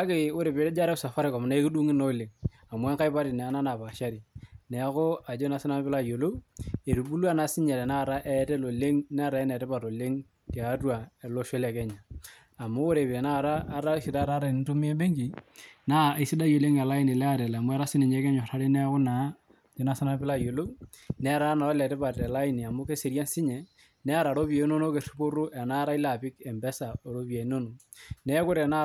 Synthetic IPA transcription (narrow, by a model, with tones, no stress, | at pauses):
a˦ke˦o˦ɾe˨pe˨˦e˦d͡ʒa˦ɾɛ˦sa˨fa˦ɾɪ˦kɔ˨m˨na˦e˦ki˦du˦ŋɪ˦no˦˨le˨ŋ | a˨m˦a˦ŋka˦ɪ˦pa˦ɾɪ˨nɛ˨a˨˦na˦na˨pa˨ʃa˦ɾi˨nɛ˨˦kʊ˦a˨d͡ʒo˦na˨sɪ˦na˦m˦bɪ˦la˦˨jo˨lo˦e˨ɾu˨bu˦lu˦a˦na˨sɪ˦ɲɛ˨ɾɛ˨na˦˨ɾa˦ʔɛ˦tɛ˦lo˨le˦ŋn˦˨ɾa˨ɛ˦nɛ˨tɛ˦pa˨ɾo˨le˦ŋ | ti˨a˨˦tu˦a˨ɛ˨lo˦ʃe˦lɛ˨kɛ˦ɲaː˨ | mo˦o˦ɾe˨pe˨na˦˨ɾaː˦ɾa˦ʃɪ˨da˦ɾa˦ɾa˨n˦tu˦mi˦e˦be˦ŋɡi˨na˦e˨si˦da˦jo˨le˦ŋɛ˨la˦i˦ni˨lɛ˦a˦ɾɛ˨la˨mu˦ɛ˦ɾa˦si˦ni˨ɲɛ˦kɛ˦ɲɔ˨ɾa˦ɾe˦nɛ˦kʊ˦na˨˦ | t͡ʃe˨˦na˦sa˦na˦pɪ˦la˦jo˨lo˦ | nɛ˦ɾa˦na˨ɔ˦lɛ˨tɛ˦pa˨tɛ˨la˦i˨ni˨a˨mu˦ke˦se˨ɾja˦nsɪ˦ɲɛ˨ | nɛ˦a˦˨ɾa˨ɾo˦pje˨˦no˦no˦ke˨ru˦po˦ɾu˦ʔɛ˨na˦ɾa˦i˦la˨pɪ˦kɛ˨mbɛ˦sa˨o˨ɾo˦pja˨i˦no˦no˨ | nɛ˦kʊ˦ɾɛ˨na˦